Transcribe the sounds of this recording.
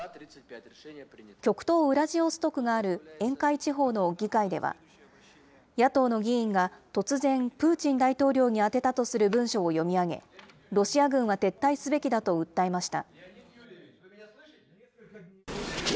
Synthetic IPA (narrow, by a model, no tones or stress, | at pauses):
kʲo̞kɯ̟̥t̪o̞ːɯ̟ɾaʑio̞sɨ̥t̪o̞kɯ̟ɡaːɾɯ̟ẽ̞ŋkait͡ɕiɦo̞ːno̞ɡʲikaid̪e̞βa̰ | jat̪o̞ːno̞ɡʲiĩŋɡat̪o̞t͡sɨzẽ̞mpɯ̟ːt͡ɕĩnd̪ait̪o̞ːɾʲo̞ːɲ̟iat̪e̞t̪at̪o̞sɨɾɯ̟bɯ̟̃ɰ̃ɕo̞ːjo̞mʲiaɡe̞̰ | ɾo̞ɕiaɡɯ̟̃ɰ̃βat̪e̞t̪ːaisɨbe̞kʲid̪at̪o̞ɯ̟t̪ːae̞maɕi̥t̪a̰